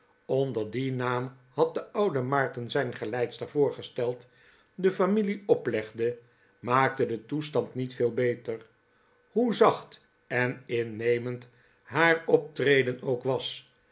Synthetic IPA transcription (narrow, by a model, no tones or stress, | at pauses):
ɔndəɹdinaːm | hɑt̚dəʌwdəmɑɹtənzɛjnχəlɛjtstəv̥ʊːɹχəstɛlˠt | dəfamiliɔplɛχdə | maːk̚tədətustɑntnitfɪːlˠbejtər | ɦuzɑχt | ɛnɪnejmənt | ɦaːɹɔp̚trejdənowkʋɑs